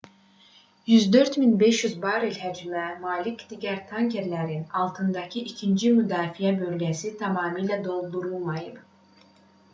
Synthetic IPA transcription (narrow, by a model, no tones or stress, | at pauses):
jyzd̪ø̞ɾt̪minbe̞ʃjyzbɑːɾilɦæd͡ʒimæmɑːlicd̪iɟæɾt̪ʰɑŋce̞ɾlæɾinɑlˠt̪ʰɯnd̪ɑcʰiʔicʰind͡ʒimyd̪ɑːfijæbø̞lɡæsit̪ʰɑmɑːmɯlæd̪o̞lˠd̪uɾulˠmɑjɯb